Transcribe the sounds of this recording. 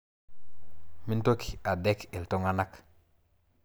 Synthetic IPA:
mi˦nto˦ki̥˨a˨de˦ke˨lto˦ŋa˦na˦k

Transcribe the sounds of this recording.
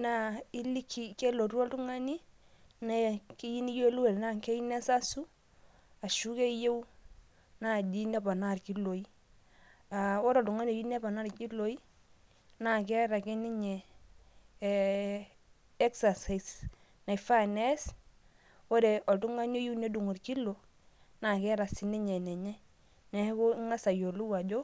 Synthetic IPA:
na˦˨ɪ˦li˦kʰi˨ke˦lo˨ɾu˦ɔ˦ltu˦ŋa˦ni˦ | na˦˨ki˦ji˦ni˦je˦lu˦e˨lna˦˨kɛ˦i˦nɛ˦sa˦su˦ | a˨ʃu˦ke˦je˦w | na˦di˦nɛ˦ba˨na˦˨rki˦lo˨i˦ | a˨wɔ˦ɾɔ˨tu˨ŋa˦ni˦ɔ˨ji˦ne˦ba˨na˦ɾki˦lo˨i˦ | na˦˨kɛ˦ɾa˨kɛ˦ni˦ɲɛ˨ | ɛ˦ksa˨sa˨s | na˨jfa˦˨nɛ˦s | wo˦ɾe˨ʔɔ˨tu˦ŋa˦ɲo˦ju˦ne˦du˨ŋo˨ɾki˦lo˨ | na˨kɛ˦ɾa˨sɪ˨ni˦ɲɛ˨nɛ˨ɲɛ˦ | nɛ˨˦ko˦ŋa˦sa˨jo˨lu˦wa˨d͡ʒo˦

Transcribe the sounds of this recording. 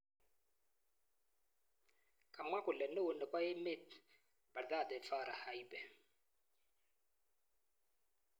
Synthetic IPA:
kʼa˨mwa˦ku˨lɛ˨nɛ˦u˨nɛ˨kwa˦je˦me˦t | b̥a˨ɾd̪a˦˨d̪ɛ˨fa˦˨ɾa˨ha˨i˦bɛ˨

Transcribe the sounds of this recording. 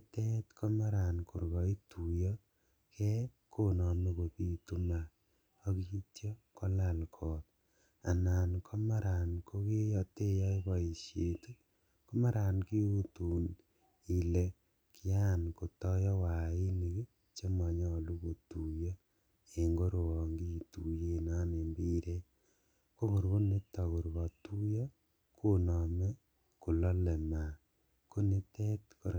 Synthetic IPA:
ki˦tɛ˦tkʰɔ˦ma˦ɾa˨nkʊ˨ɾɣɔ˨˦i˦tʰu˨jɔ˦ | kʰɛ˦kʰo˦nɔ˨me˦ko˨pi˦tu˦ma˨ | o˦ki˦tjɔ˦kɔ˦la˨lkʰɔ˨t̚ | a̰˨na˨nkʰɔ˦ma˦ɾa˨nko˦ke˦jɔ˧te˦jɔ˦i˦bɔ˨i˨ʃje˨tu˦ | kɔ˦ma˦ɾa˨nki˦u˦tu˨n | i˨le˨ | kija˦˨nko˨tɔ˦jɔ˦wa˨i˦ni˨k | t͡ʃe˦mɔ˨ɲɔ˦˨lu˦βo˨tu˨jɔ˦ | e˨ŋɡo˦ɾo˨wɔ˨ŋɡi˦˨tu˨je˦na˦ne˨mbi˦ɾe˦ | ko˦ku˨ɾko˦ne˦tɔ˨ku˨ɾβɔ˨tu˦jɔ˦ | ko˦nɔ˨mɛ˦ | ku˨lɔ˦le˨ma˨ | ko˦ne˦tɛ˦tko˨ɾ

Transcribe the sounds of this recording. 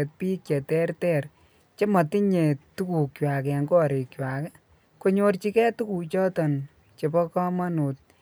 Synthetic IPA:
e˨t̚pi˦kjɛ˨tɛ˦rtɛ˦˨ɾ | t͡ʃe˦mɔ˨ti˦ɲe˨tu˦ku˨kjwa˨kɛ˨ŋɡɔ˦˨ɾe˨kjwa˨kɛ˦ | ko˦ɲo˦rt͡ʃi˦kɛ˦tu˦ku˨t͡ʃɔ˦tɔ˨n | t͡ʃe˨pɔ˦kɔ˦ma˦nu˨t̚

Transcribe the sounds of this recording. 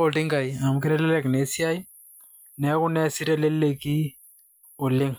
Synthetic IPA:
o˦˨lti˦ŋka˨i˨a˨mʊ˨kɪ˦ɾɛ˦lɛ˦lɛ˨kne˨˦si˦a˦i˦ | nɛ˨˦kʊ˦nɛ˦si˦ɾɛ˦lɛ˦lle˦ki˦ | ʊ˨lɪ˦ŋ

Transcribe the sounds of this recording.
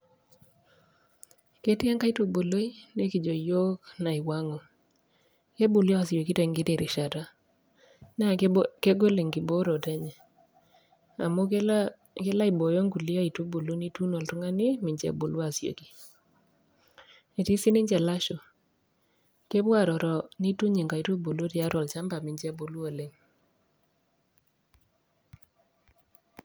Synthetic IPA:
ke˦ti˦a˦ŋka˦i˦to˨bo˨lo˦i˦ne˦ki˨d͡ʒo˨jo˦kna˨i˨wa˦ŋɔ˨ | ke˦bu˨lɔ˦a˨sjo˨ki˦tɛ˨ŋɡi˦te˨ɾɪ˨ʃa˨ta˦ | nɛ˦a˨ke˦ɡo˦le˨ŋɡi˨bo˦ɾɔ˨tɛ˦ɲɛ˨ | a̰˨mo˦ | ke˦la˦i˨bo˨jo˦ŋɡu˨li˦a˦i˨to˦bo˨lu˦ni˦tu˦no˨ltʊ˦ŋa˦ni˦mɪ˨ɲd͡ʒɛ̰˦bo˨lwa˨sjo̰˨ki˨ | e˨ti˦si˦nɪ˦ɲd͡ʒɛ˨la˦ʃo˨ | ke˦bwa˦˨ɾɔ˨ɾɔ˨ni˦tu˦ɲi˨ŋɡa˨i˨to˦bo˨lo˦ti˨a˦ɾɔ˨lt͡ʃa˦mba˨mɪ˨ɲd͡ʒɛ˦bo˨lu˦o˨le˦ŋ

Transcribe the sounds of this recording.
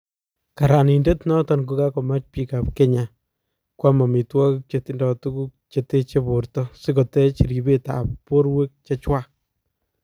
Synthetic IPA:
ka˨ɾa˨ni˨nde˦tnɔ˦tɔ˨nku˦ka˦kɔ˨ma˦t͡ʃpi˦kapke˦ɲa | kwa˦ma˨mi˨twa˦kuk̚t͡ʃeti˦ndɔ˨tu˦ku˦k̚t͡ʃe˨te˦t͡ʃe˦bo˨ɾtɔsi˦kɔ˨tɛ˦t͡ʃi˨ɾi˨be˦ta̰˨ppːo˦ɾwe˦k̚t͡ʃe˦t͡ʃwa˦k

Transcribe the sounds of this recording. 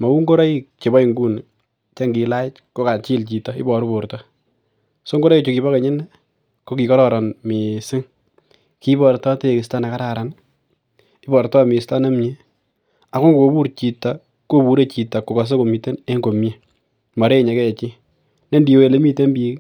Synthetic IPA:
ma˨u˦ŋɡo˦ɾa˦i˦t͡ʃe˨bɔ˦i˨ŋɡu˦n | t͡ʃe˦ŋɡi˨la˦ɪ˦t͡ʃko˦ka˨t͡ʃi˦lt͡ʃi˨tɔ˨ɪ̰˦bɔ˨ɾbo˨ɾtɔ˦ | so˦ŋɡo˦ɾa˦i˦t͡ʃo˨ki˨bɔ˦ke˨ɲɪ˦nɛ˦ | ko˦ki˨kɔ˦ɾɔ˦ɾɔ˨nmi˨sɪ˦ŋ | ki˦bɔ˨ɾtɔ˦te˦˨kɪ˨sta˦na˨ka˦ɾa˨ɾa˨n | ɪ˦bɔ˨ɾtɔ˦˨mɪ˨sta˦na˦mɲe˦ | a˨ko˦ŋɡo˨bu˦ɾt͡ʃi˨ta˨ | ko˦bu˨ɾe˦t͡ʃi˨ta˨ko˨ka˨s̬e˦ko˨mi˨te˦ne˦ŋɡo˨mje˦ | ma˨ɾe˦˨ɲe˨kɛ˦˨t͡ʃi˦ | ne˦ndi˨o˨˦e˨le˦mi˦te˦mbi˦k

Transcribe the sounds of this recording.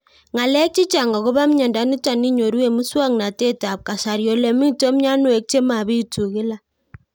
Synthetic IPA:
ŋa˨lɛ˦k̚t͡ʃi˦t͡ʃa˨ŋɡa˨ko˦βa˦mɲɔ˨nda˨˦ni˦ta˨ni˦ɲo˨ɾwe˦˨mu˦swa˦ŋna˨te˦ta˨p̚ka˨sa˨ɾjɔ˨lɛ˨mi˦to˦mɲa˦nwe˨˦k̚t͡ʃe˦ma˨βi˦tu˨kɪ˦la˦˨

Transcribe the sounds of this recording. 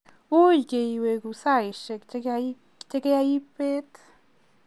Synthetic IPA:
u˦jɡe˧jwe˨ɡu˧sa˦jʃe˧k | t͡ʃe˦ke˦ja˧ji˦pe˦t̪

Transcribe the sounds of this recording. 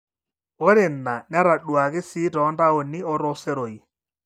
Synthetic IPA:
ɔ˦ɾɪ˨nːa˨n˦a˦ɾa˨ɗwa˨kɪ˦si˦tɔ˨˦nda˦ɔ˨nɪ˦ɔ˦ɾɔ˦sɛ˦ɾo˨i˨

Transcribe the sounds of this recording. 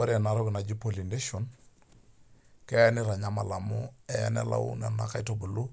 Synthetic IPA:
o˦ɾe˨na˨ɾo˦ɡna˨d͡ʒi˦po˨li˨nde˦ʃo˨n | ke˦ja˦ni˦ɾa˨ɲa˦ma˨la˨mue˨ja̰˦nḛ˦la̰˦ṵ˦na˨na˨ka˦jto˨bu˨lu˦

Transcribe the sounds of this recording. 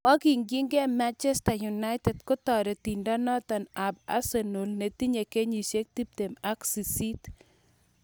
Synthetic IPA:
ɔ˦ki˨ŋɡi˦ŋɡɛ˦ma˦nt͡ʃɛ˦staju˨na˦ɪtɛ˨d̚kʊ˦tɔ˨ɾe˨ti˨nda˦nɔ˦t̪ɔ˨na˨ba̰˦seno˨lne˨ti˦ɲe˨ke˦ɲi˨ʃe˦k̚ti˦p̚te˨ma˦ksi˨si˦t

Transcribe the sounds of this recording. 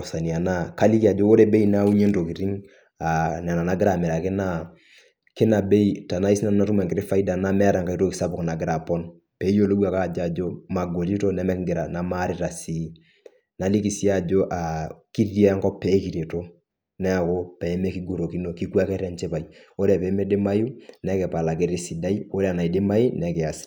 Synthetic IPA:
ɔ˨sa˨ni˨a˨na˦ka˦li˦ki˨a˨d͡ʒo˦o˦ɾe˦be˦ina˦u˦ɲe˦nto˨ki˨ɾi˦ŋ | a˨n˨a˨na˨na˦ɡɪ˦ɾa˨mɛ˨ɾa˨kɪ˦na˦ | kɪ˦na˨be˦i˦ta˨na˦i˦si˦na˦n˦na˦tu˦ma˨ŋkɪ˨ɾɪ˦fa˦i˦da˨na˦mɛ˦a˦ɾa˨ŋka˨i˦to˦ki˨sa˦pʊ˨kna˨ɡɪ˦ɾa˨pɔ˦n | pɛ˨˦jo˦lo˦ɡu˦a˨ka˦˨d͡ʒa˨d͡ʒo˦ma˨ɡo˨li˦to˦nɛ˦mɛ˦kɡɪ˨ɾa˨na˨ma˦ɾɪ˦ɾa˨si˨˦ | na˨li˦ki˨si˦a˦d͡ʒo˦ʔa˨ki˦ɾi˦a˦ŋkɔ˦pːɛ˨˦ki˨ɾe˨to˦ | nɛ˦a˨ko˦pɛ˨ɛ˦mɛ˦ki˦ɡu˦˨ɾo˨ki˦no˨ki˦ku˦a˦kɛ˦ɾɛ˦nt͡ʃɛ˦pa˨i | o˦ɾɛ˨pɛ˨˦mɛ˦dɪ˦ma˦ju˦nɛ˦kɛ˨pa˨la˨k̬ɪ˦ɾi˦si˨da˦i˦o˦ɾɛ˦a˨na˨i˨dɪ˦ma˦i˦nɛ˨kɛ˨a˨s

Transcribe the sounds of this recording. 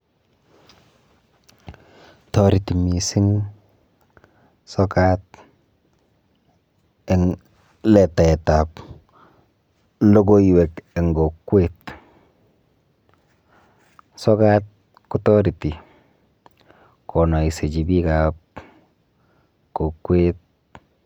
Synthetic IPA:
tɔ˦ɾi˨ti˨mi˨si˦ŋ | sɔ˦kat̚ | e˨ŋ | lɛ˨ta˨ɛ˨tap | lo˦ɡo˦iwɛ˨ke˨ŋɡo˨kwet | sɔ˦kat̚ | ku˦tɔ˦ɾi˨ti˨ | kʰɔ˨nɔ˨i˨se˨t͡ʃi˨bi˦kap̚ | ko˨kːwet̚

